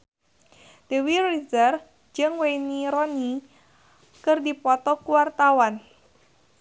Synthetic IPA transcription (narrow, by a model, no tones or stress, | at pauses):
d̥ewirizər | d͡ʒɨŋwejniɾɔni | kɨrdipɔt̪ɔkuwart̪awan